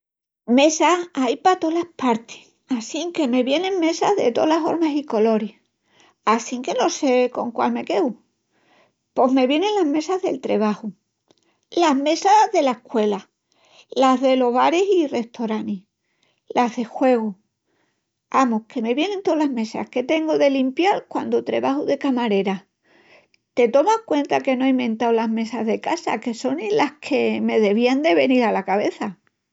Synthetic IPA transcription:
me̞saajpat̪o̞lahpaɾt̪i̥ | asiŋke̞me̞βje̞nẽ̞ŋme̞saðe̞t̪o̞̰laso̞̰ɾmasiko̞lo̞ɾih | asiŋke̞no̞se̞ko̞ŋkwa̰lme̞ke̞w | po̞ɦme̞βjene̞nlaɦme̞saɦðe̞̰lt̪ɾe̞β̞ahu | laɦme̞saðe̞laehkwe̞la | lazðe̞lo̞ɦβaɾesire̞ht̪oɾani | lʔaɦðe̞xwe̞ɣ̞u | amoke̞me̞βje̞ne̞nt̪olaɦme̞sa̰hke̞t̪e̞ŋɡoðe̞limpjaɾkwand̪ot̪ɾe̞̰βahuðe̞kamaɾe̞ɾa | t̪e̞t̪o̞mahkwe̞nt̪ake̞noaimẽ̞nt̪awlaɦme̞sazðe̞kasa̰ke̞so̞nilahkʰe̞me̞ðe̞β̞iand̪e̞βe̞niɾalakaβ̞e̞θa

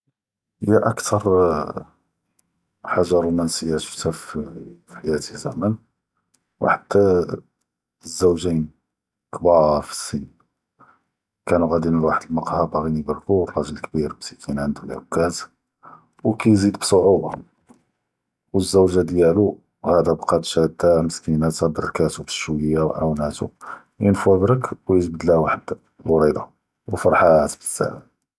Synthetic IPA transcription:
həjːæʔækt̪ʰɑɾˤ | ħaʒːɑɾlmænsəjːæ̥ft̪æffiħajæt̪izæ̰mən | w̰ħat̪ːæ | zːæwʒin | kbɑɾfi̥sːin | kænuɣæd̪inəlwaħəd̪əlmɑqhɑbæɣinibɑɾkurˤɑʒəlkbiɾbt̪ikʰinʕənd̪ulʕə̰bkːæt̪ | wkæjzid̪bsˤoʕubɑ | wəzːæwʒad̪jælu | hæd̪æbqɑd̪ʃæd̪aməskinæt̪æb̪ərˤkæt̪ub̪ʃwjawʕa̰wnæt̪ṵ | jənfæbɾəkwjət̪bəd̪læwaħəd̪ | lwɾˤid̪ˤɑ | wəfɑɾˤħat̪bsːæ̰ʕæ

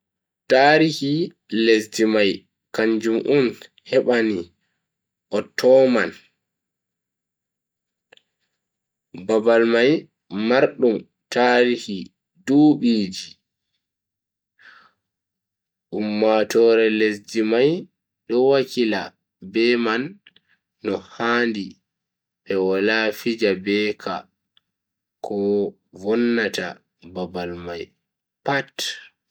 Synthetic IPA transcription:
taːɾihi | lesdimaj | kaɲd͡ʒumʔun | hɛɓani | ʔɔtʰːɔman | babalmajː | aɾɗum | taːɾihi | duːɓiːd͡ʒi | ʔumːatɔɾɛlesd͡ʒimaj | ɗɔwakila | bɛmanː | ɔhaːndi | ɓɛwɔlafid͡ʒabɛːkʰa̰ | kʰɔ | vɔnːata̰ | babalmaj | pat

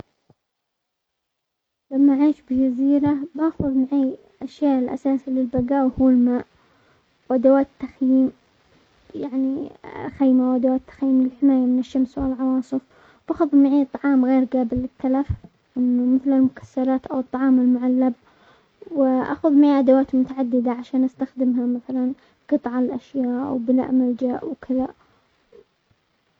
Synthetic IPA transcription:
lamːaʔaʕiːʃbɪd͡ʒaziːɾabaxʊðˤmaʕiː | ʔaʃjaːʔɪlʔa̰saːsilɪlbaɡaːʔwhuːlmaːʔ | wʔad̪awaːt̪ːaxjiːm | jaʕnixiːmawʔad̪awaːt̪ːḁxjiːmlɪlħɪmaːjamɪnɪʃːamswɪlʕɑwɑːsˤɨf | wʔaxʊðˤmɪʕiːt̪ˤːɑʕɑːmɣeːɾɡaːbɪlːɪt̪ːalaf | ʔɪnːamɪθlɪlmʊkḁsːɑɾˤɑːt̪ʔawɨt̪ˤːɑʕɑːmɪlmʊʕalːab̚ | wɪʔa̰xʊðˤmɪʕiːʔad̪awaːt̪mʊt̪aʕad̪ːɪd̪aʕaʃaːnʔast̪axd̪ɪmɦamaθalan | qɨt̪ˤʕɑɪlʔaʃjaːʔwbɪla̰ːʔmald͡ʒaːʔwkʰɪða

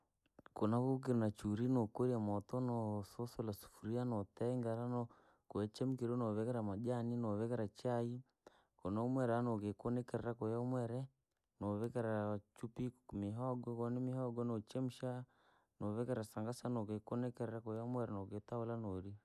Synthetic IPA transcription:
kɔnaβuk̬iɾunat͡ʃuɾinokoɾiamɔtɔnɔsɔsolasu̥fuɾianɔtɛŋɡaɾanɔ | kɔjɛt͡ʃɛm̩kiɾonɔβɛkɛɾamaʄaninɔβɛkɛɾat͡ʃai | kɔnaumwɛɾanokekonɛkɛɾɛɾakɔjaumwɛɾɛ | noβɛkɛɾat͡ʃupimiɦɔɡɔkɔnmihɔɡɔnot͡ʃɛm̩ʃa | noβɛkɛɾasaŋɡasanokekɔnɛkɛɾɛɾakɔjamwɛɾɛnɔketaulanoɾi

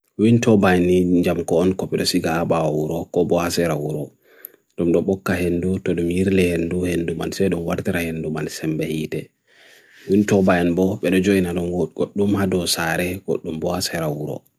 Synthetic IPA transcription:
wintɔbajniɲd͡ʒamkɔːnkɔpiɗɔsiɡaːbawwuɾɔkɔbɔhasɛɾawuɾɔ | ɗɔmɗɔɓɔkːaɦendutɔɗumjiɾlɛhenduhenduma̰nsɛɗunwaɾtiɾahendumansɛmbɛhiːtɛ | wintɔbajnbɔɓɛɗɔd͡ʒoinaɗɔnɡ̥oɗːumhadɔsaɾɛɡ̥o̰ɗːumbɔhasɛɾawuɾɔ̰

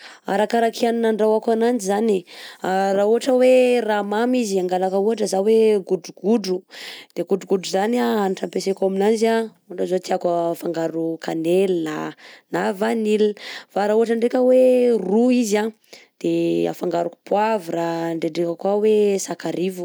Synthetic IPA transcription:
a̰ɾakaɾakʰianinaɳɖ͡ʐawakanand͡ʒizaniarauɦaʈ͡ʂəweramamiziaŋɡalakəuaʈ͡ʂəzaweɡuduɡuɖ͡ʐud̪̥eɡuɖ͡ʐuɡuɖ͡ʐuzanaanʈ͡ʂampesekaminand͡ʒa | uɳɖ͡ʐazot̪iakafaŋɡaɾukʰanelnanavanilfaɾauɦaʈ͡ʂəɳɖ͡ʐekʲəweruiza | d̪̥ea̰faŋɡaɾuku̥puavraɳɖ͡ʐeɖ͡ʐekakwawesakaɾivu̥

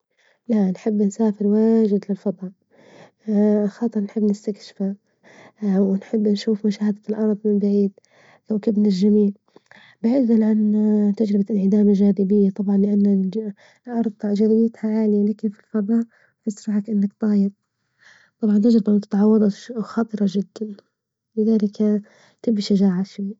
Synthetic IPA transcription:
laʔnħɪbːnsaːfɪɾwaːʒɪd̪lɪlfɑd̪ˤɑʔ | xɑːt̪ˤɨɾnħɪbːnɪst̪akʃɪ̥fa | wnħɪbːnʃuːfmʊʃaːhad̪alʔɑɾˤd̪ˤmɪmbaʕiːd̪ | kawkɪbnalʒamiːl | bɪʕiːdanʕant̪ad͡ʒɾɪbaɪnʕɪd̪aːmaʒaːɾɪbɪjːat̪ˤɑbʕɑnlɪʔanːa | lʔɑɾˤd̪ˤʒaɾɪjɪt̪haʕaːlɪjalaːkɪnfilfɑðˤɑːʔ | fɪsɾɑħakʔɪnːakt̪ˤɑːjɪd̪̚ | t̪ˤɑbʕɑnt̪ad͡ʒɾɪbamʊt̪ɪ̥t̪ʕɑwːɑd̪ˤɑxɑːt̪ˤɨɾˤɑʒɪd̪ːan | lɪðaːlɪk | t̪ɪbːiʃad͡ʒaːʕaʃwiː

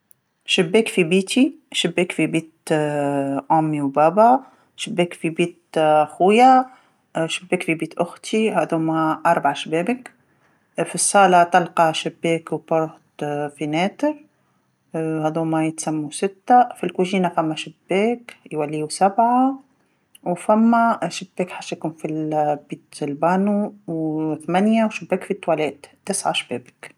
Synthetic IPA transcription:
ʃɪbːɛːkfibiːt̪i | ʃɪbːɛːkfibiːt̪ | ʕʊmːiwbɑːba | ʃɪbːɛːkfibiːt̪xuja | ʃɪbːɛːkfibiːt̪ʔʊxt̪ihæːðuːmæʔɑɾˤbʕaʃbɛːbək | fisˤːɑːlɑt̪ɑlqɑʃɪbːɛːkwpʊɾt̪finɛːt̪əɾ | hæðuːmajɪt̪samːusɪt̪ːafilkuʒiːnafæmːæʃɪbːɛːkjwalːiːusabʕa | wfæmːæʃɪb̥ːɛːkħaʃjkuːnfibiːt̪lbɑːnuwθmænjawʃɪbːɛːkfit̪ːwælɛːt̪t̪ːɪsʕa̰ʃbɛːbɪk

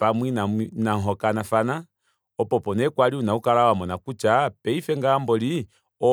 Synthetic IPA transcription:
pamwinanaŋɦɔkanafana | ɔpɔpɔnɛkwaliunaukaɾawamɔnakut͡ʃapɛifɛŋɡaːmbɔli | ɔ

